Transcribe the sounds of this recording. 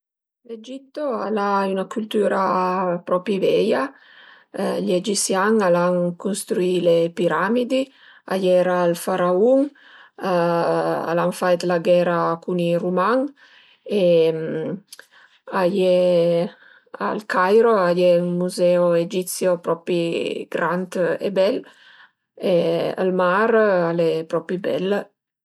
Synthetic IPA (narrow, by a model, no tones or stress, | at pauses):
led͡ʒit̪ːoalaynakult̪uːɾapɾɔpivɛja | ʎed͡ʒisjaŋalaŋkunst̪ɾuilepiɾamid̪i | a̰jɛɾaːlfaɾauŋ | a̰laɱfajt̪laɡɛːɾakunirumaŋ | em | ajɛ | a̰lkajɾoajɛumuzɛoed͡ʒit̪sjopɾɔpiɡ̥ɾant̪ḛbɛl | eə̰lmaɾalɛpɾɔpibɛ̰l